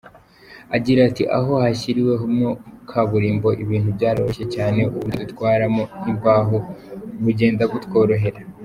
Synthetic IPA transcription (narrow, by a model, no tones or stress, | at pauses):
aɟiɾatiʔa̰ɦo̞haɕiɾiwe̞ɦumŋokʰaβuɾiːmbo̞ʔiβiːnhubɟaːɾo̰oʃe̞caːne̞ʔuβudutkwaːɾamoimbaɦoβuɟe̞ːndaɡutko̞ɾo̞ɦe̞ɾa